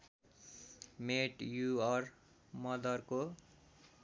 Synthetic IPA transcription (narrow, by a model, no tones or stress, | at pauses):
meʈjuʌr | mʌd̪ʱʌrko